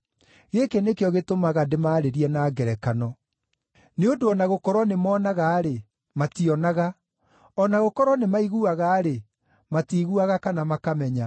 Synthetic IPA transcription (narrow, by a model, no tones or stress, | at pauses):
ɣekɛnekeɔɣetomaɣademaːɾeɾiɛnaːɡɛɾɛkanɔ | neodoɔnaɣokɔɾwɔnemɔːnaɣaːɾe | matiɔnaɣa | ɔnaɣokɔɾwɔnemaiɣuaɣaːɾe | matiɣuaɣakanamakamɛɲa